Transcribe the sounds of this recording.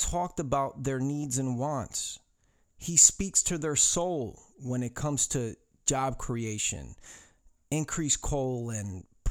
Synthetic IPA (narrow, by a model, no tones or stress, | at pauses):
tʰɔk̚təbaʊt̪̚ðə˞nidzɨ̃nwɑ̃nts | hispikstʰɨðə˞soʊlˠwə̃nɨt̚kʰʌ̃mz̥tʰɨ | d͡ʒɑb̚kʰɹ̥ieɪʃɨ̰̃n | ɪ̃nkʰɹ̥iskʰoʊlˠɨ̃npʰ